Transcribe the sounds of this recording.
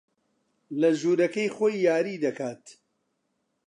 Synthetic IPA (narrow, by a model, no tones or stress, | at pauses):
lɐʒuːɾɐkɐjχoːjːaːɾiːd̪ɐkaːt̪